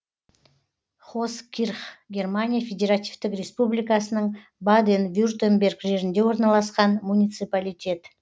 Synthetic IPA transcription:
χoskʲʰirχɡʲe̞rmanʲijafʲe̞dʲeɾat̪ʲivt̪ɪkrʲe̞spublijkɑsənəɴ | bad̪envʲurt̪embʲe̞rɡʒe̞ʒɪnd̪e̞wo̞ɾnɑlˠɑsqɑnmunʲijt̪sɨpalʲijtʲe̞t̪

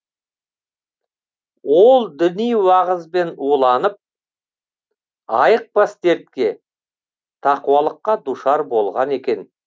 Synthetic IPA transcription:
wo̞lˠd̪ʏnijwɑʁəzbe̞nolˠɑnəp̚ | ɑjəq̚past̪e̞ɾt̪̚kʲe̞ | t̪ʰɑquwɑlˠəqːɑd̪uʃɑɾbo̞lˠʁɑne̞kʲe̞n

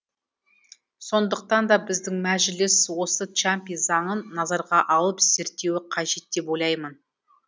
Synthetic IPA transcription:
so̞nd̪əq̚t̪ɑnd̪ɑbɪzd̪ɪŋmæʒɪlɪswo̞sət̪t͡ʃampijzɑɴənːɑzɑɾʁɑʔɑlˠəpz̥e̞ɾt̪ːe̞wɪqʰɑʒe̞t̪̚ːe̞po̞jlˠɑjmən

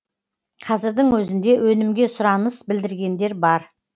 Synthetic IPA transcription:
qʰɑzɪɾd̪ɪŋwɵzɪnd̪e̞wʔɵnɪmɡʲe̞sʊɾɑnəsbɪld̪ɪɾɡʲe̞nd̪e̞ɾbɑɾ

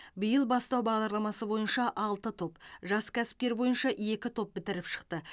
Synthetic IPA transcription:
bijəlˠbɑst̪ɑwbɑʁd̪ɑɾlˠɑmɑsəbo̞jənʃɑʔɑlˠt̪ət̪ʰo̞pʒɑskʲʰæsɪ̥p̚t̪e̞ɾbo̞jənʃɑʔe̞kʲɪt̪ʰo̞p̚bɪt̪ɪɾɪpʃə̥qt̪ə

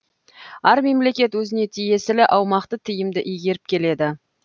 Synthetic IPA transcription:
æɾme̞mle̞kʲe̞t̪wɵzɪne̞t̪ʰije̞sɪlɪʔɑwmɑqt̪ət̪ʰɪjɪmd̪ɪʔijɡʲe̞ɾɪp̚kʲʰe̞le̞d̪ɪ

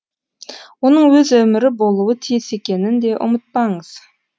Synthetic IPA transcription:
wo̞nəɴwɵzɵmɪɾɪbo̞lˠuwət̪ʰijɪse̞kʲe̞nɪnd̪e̞ʔʊ̰mət̪̚pɑɴəz̥

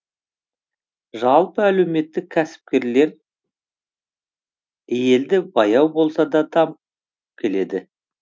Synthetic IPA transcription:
ʒɑlˠpəæle̞wme̞t̪ːɪk̚ʲʰæsɪ̥p̚kʲe̞ɾle̞ɾ | je̞ld̪ɪbɑjɑwbo̞lˠsɑd̪ɑd̪ɑm | kʲʰe̞le̞d̪ɪ

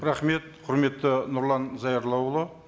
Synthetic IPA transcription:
ɾɑχme̞t̪̚qʰʊɾme̞t̪ːɪnʊɾlˠɑnzɑjɑɾlˠɑwlˠə

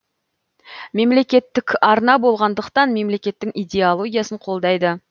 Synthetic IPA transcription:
me̞mle̞kʲe̞t̪ːɪkʲɑɾnɑbo̞lˠʁɑnd̪əqt̪ɑnme̞mle̞kʲe̞t̪ːɪŋijd̪ʲe̞olˠo̞ɡʲijasəɴqʰo̞lˠd̪ɑjd̪ə

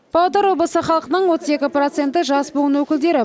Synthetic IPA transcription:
b̥ɑwd̪ɑɾwo̞blˠəsəχɑlˠəqənəɴwo̞t̪əze̞kʲɪpro̞t̪se̞nt̪ɪʒɑsboʁənwɵkʲɪld̪e̞ɾɪ

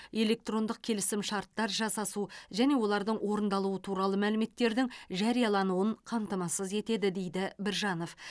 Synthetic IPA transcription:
e̞lʲe̞k̚t̪ro̞nd̪əq̚kʲʰe̞lɪsɪmʃɑɾt̪ːɑɾʒɑsɑsuʒæne̞wo̞lˠɑɾd̪əɴwʔo̞ɾənd̪ɑlˠuət̪ʰuɾɑlˠəmælɪme̞t̪ːe̞ɾd̪ɪŋʒɑɾijɑlˠɑnuəɴqʰɑmt̪əmɑsəze̞t̪e̞d̪ɪd̪e̞jd̪ɪbɪɾʒɑno̞f

